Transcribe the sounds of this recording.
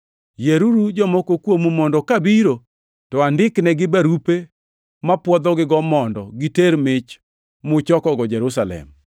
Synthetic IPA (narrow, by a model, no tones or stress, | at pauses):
jeɾuɾud͡ʒɔmɔkokwomumɔndɔkabiɾo | tɔandɪknɛɡɪbaɾupe | mapwɔd̪ɔɡɪɡɔmɔndɔɡiteɾmɪt͡ʃ | mʊt͡ʃɔkɔɡɔd͡ʒɛɾusalɛ̰m